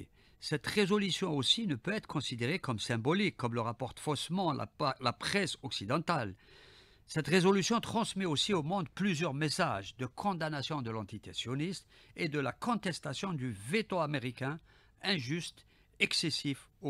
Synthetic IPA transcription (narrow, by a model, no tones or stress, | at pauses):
sɛt̪ʁezɔlysjɔ̃osinəpøɛt̪χəkɔ̃sid̪eʁekɔmsɛ̃bɔlikʰːɔmləʁapɔʁt̪fɔsmɑ̃lʔa̰lapχɛsɔksid̪ɑ̃t̪al | sɛt̪ʁezɔlysjɔ̃t̪χɑ̃smɛosiomɔ̃d̪plyzjœʁmesaʒd̪əkʰɔ̃d̪anasjɔ̃d̪əlɑ̃t̪it̪esjɔnist̪ | ed̪əlakɔ̃t̪ɛst̪asjɔ̃d̪yvet̪oameʁikʲɛ̃ | ɛ̃ʒyst̪ | ɛksesifo